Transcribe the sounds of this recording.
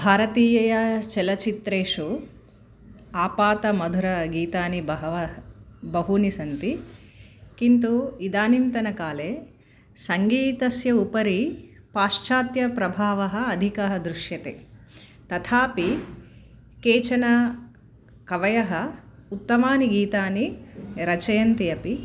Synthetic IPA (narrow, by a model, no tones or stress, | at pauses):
bʱaːɾɐt̪iːjɐjɐt͡ʃɛlɐt͡ʃit̪ɾeːʂu | aːpaːt̪ɐmɐd̪ʱuɾɐɡiːt̪aːnibɐɐʋɐbɐɦunisɐnt̪i | kint̪uid̪aːnint̪ɐnɐkaːleː | sɐŋɡiːt̪ɐsjɐupɐɾi | paːʂt͡ʃaːt̪jɐpɾɐbʱaːʋɐɦɐ̆ːd̪ʱikɐɦɐd̪ɾuʃjɐt̪ḛːt̪ɐt̪ʰaːpi | keːt͡ʃɐnɐ | kɐʋɐjɐɦɐut̪ːɐmaːniɡiːt̪aːniɾɐt͡ʃɐjɐnt̪ijɐpi